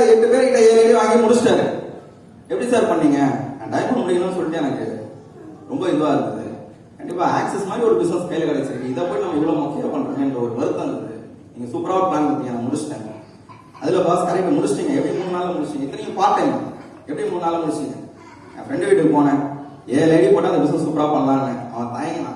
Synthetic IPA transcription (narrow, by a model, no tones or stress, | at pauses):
aɛpːɐɽɯpeːɾɐkɪʈːɐeːlɐɽiʋaːŋɡimʊɽʊt͡ʃʈaːɾɛ̰̃ | ɛpːɐɽisaːɾpɐɳːiːŋɡɐnãːɖɐɪmɐnmʊɽɪkːɐnɐnːɯsɔlːɪʈːɐ̃jɛnɐkːɯ | ɾɔmbɐɪd̪ɯʋaːɪɾɯnɐðɯ̰ | kɐɳɖɪpːaːaːksɛsmaːd̪ɾiɔɾɯbɪsnɐskɐjɪlkɐɽɐt͡ʃːɪɾɯɯɪðɐpoːjnaːmɪɾɯʋɐmoːkːejepɐɳːɾɯːŋɡɐɛndrɐɔɾɯʋɐɾɯt̪ːɐnɐðɯ | niːŋɡɐsuːpɾaːʋpɭaːnɐt̪ːiːŋɐnːɐmʊɽʊt͡ʃːʈɛ̃ː | ɐðɪlɐpaːskɐɾɐʈːɐmʊɽʊt͡ʃʈɪŋɡɐɛpːɐɽimuːɳːɯnaːlɐmʊɽʊt͡ʃːɪŋɡɛɪt̪ːɐnɐjʊ̃paːɾʈːɐɪmɐ | ɛpːɐɽimuːnːnaːlɐmʊɽɪt͡ʃːɪŋɡɐ̰̃ | nã̰ːfɾɛɳɖɯʋɪʈːɯkɯpoːnɛ̃ː | eːlɐɪɽipoːʈːɐːɐndɐbɪsnɐssuːpːɪɾaːʋpɐɳːɐlãːnːɛ̃ɐ̰ʋɐ̃ːt̪ɐːjŋɡnaː